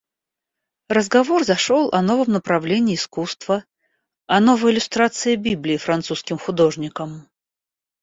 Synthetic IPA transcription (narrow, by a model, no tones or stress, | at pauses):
rəzɡɐvorzɐʂolˠʔɐ̰no̞vəmnəpɾɐvlʲenʲɪːskust̪və | ɐnovəjɪlʲʊst̪ɾat̪sɨɪbʲiblʲɪːfɾɐnt̪suskʲɪmxʊd̪o̞ʐnʲɪkəm